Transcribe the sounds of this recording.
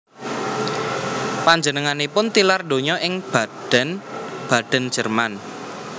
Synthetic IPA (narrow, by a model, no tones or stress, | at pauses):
paɲd͡ʒənəŋanepʊnt̪ilarɖo̤ɲɔʔɪŋb̥ad̥ɛnb̥a̤d̪̥ə̤n̥ʒ̥ə̤rman